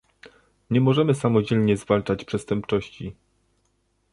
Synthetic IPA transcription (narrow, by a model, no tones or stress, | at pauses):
ɲɛmɔʐɛmɘsamɔd͡ʑɛlɲɛzvalt͡ʂat͡ɕpʂɛst̪ɛmp̚t͡ʂɔɕt͡ɕi